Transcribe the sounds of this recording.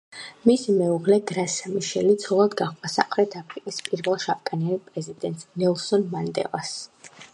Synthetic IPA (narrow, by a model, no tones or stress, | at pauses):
mismɛuʁlɛɡɾasamiʃɛlit̪sʰɔlˠad̪ɡaχasa̰mχɾɛt̪ʰapʰɾikʼispʼiɾvɛlˠʃap̚kʼanianipʼɾɛzid̪ɛnt̪ʼsnɛlˠsɔnmand̪ɛ̰lˠas